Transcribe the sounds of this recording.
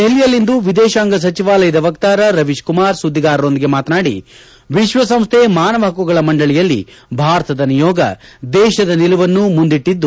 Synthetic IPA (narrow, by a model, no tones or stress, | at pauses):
elːijɐlːind̪uʋid̪ɛːʃaːŋɡɐs̬ɐt͡ʃiʋaːlɐjɐd̪ɐʋɐkt̪aːɾɐɾɐʋiʃkumaːɾsud̪ːiɡaːɾɐɾo̞nd̪iɡe̞maːt̪ɐnaːɽḭ | ʋiʃʋɐsɐmst̪ʰemaːnɐʋɐɦɐkuɡɐɭɐmɐɳɖɐɭijɐlːḭ | bʱaːɾɐt̪ɐd̪ɐnijɔːɡɐ̰d̪ɛːʃɐd̪ɐnilɐʋɐnːumund̪iʈːid̪ːu